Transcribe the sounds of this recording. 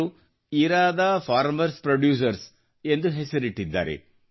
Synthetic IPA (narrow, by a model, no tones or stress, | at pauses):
u | iːɾaːd̪ɐfʰaːɾmɐɾspɾɐɖjuːs̬ɐɾs | e̞nd̪uɦesɐɾiʈːid̪ːa̰ːɾḛ